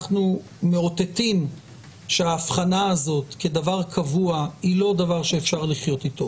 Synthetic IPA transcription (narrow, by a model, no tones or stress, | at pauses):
χnu | meo̞t̪e̞tim | ʃeaːfχanaːzo̞tke̞davaʁkʰavuailo̞d̪avaʁʃeːfʃaʁliχjo̞t̪it̪o̞